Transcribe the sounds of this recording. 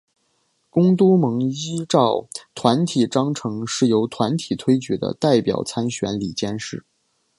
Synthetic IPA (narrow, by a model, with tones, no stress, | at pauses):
kʊ˥ŋt̪u˥mɤ˧˥ŋi˥ʈ͡ʂɑ˥˩ʊt̪ʰwa˧˥nt̪ʰi˨˩ʈ͡ʂɑ˥ŋʈ͡ʂʰɤ˧˥ŋʂɻ̩˥˩jo˧˥ʊt̪ʰwa˧˥nt̪ʰi˨˩t̪ʰwe˥ɪt͡ɕy˧˥d̪ə̰˦t̪a˥˩ɪpjɑ̰˨˩ʊt͡sʰa˥nɕɥɛ̰˧˥nli˨˩t͡ɕjɛ˥nʂɻ̩˥˩